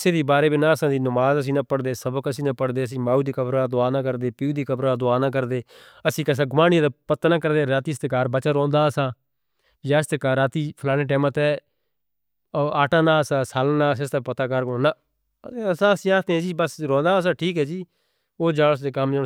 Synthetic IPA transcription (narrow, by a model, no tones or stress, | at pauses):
seːd̪eːbaːɾeːbiːnaːəsãːd̪iːnəmaːzəs̬ĩːnaːpəɽd̪eːsəbkəsĩːnãːpəɽd̪eːəs̬ĩːmaːuːd̪iːkəbɾaːd̪ʊaːnãːkəɾd̪eːpiuːd̪iːkəbɾaːd̪ʊaːnãːk̬əɾd̪eː | əsĩːkəs̬ãːɡʊmaːnĩd̪aːpət̪ːaːnaːkəɾd̪eːɾaːt̪iːsət̪kaːɾbət͡ʃaːɾɔ̃ːnd̪aːəsãː | jaːst̪əkaːɾaːt̪iːpʰəlaːnẽːʈɛːmãːt̪ɛː | aːʈãːnaːəsãːsaːlnãːsẽst̪aːpət̪aːkəɾkːnaː | əsãːəsĩːaːt̪ẽːd͡ʒiːbəsɾɔ̃ːnd̪aːəs̬ãːʈʰiːkɦɛːd͡ʒiː | oːd͡ʒaːəs̬d̪eːkəmd͡ʒa